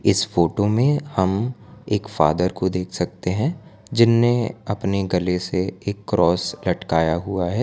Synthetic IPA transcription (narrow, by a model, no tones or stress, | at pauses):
ɪsfoːʈomẽhɐmeːkfa̰ːd̪əɾkod̪eːkʰsɐkt̪eɦɛ̃ | d͡ʒɪnːeɐpneɡɐleseeːkːɾɔːslɐʈkaːjaɦuaɦɛː